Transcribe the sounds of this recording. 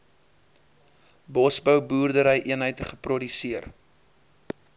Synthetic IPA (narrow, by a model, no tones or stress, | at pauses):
bɔsbəwbuːrdəɾəjʔiənɦəjtəχəprɔdysiər